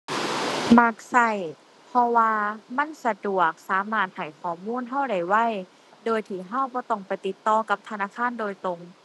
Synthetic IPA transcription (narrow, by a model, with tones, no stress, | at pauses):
ma˧˩k̚sa˧˩j | pʰɔ˧waː˧ma˧˥˨nsa˧du˨˩ək̚saː˨˦maː˧˩t̪̚ha˨˩jkʰɔː˨˩muː˧˥˨nɦa˧˥˩wda˧˩jwa˧˥˩j | doː˧jt̪ʰiː˧˩ɦa˧˥˨wbɔː˧˦t̪ɔ˧˩ŋpa˨˩jt̪i˧˦t̪ːɔː˧ka˧˦p̚t̪ʰa˧naː˧˥˨kʰaː˧˥˨ndoː˧jt̪o˧ŋ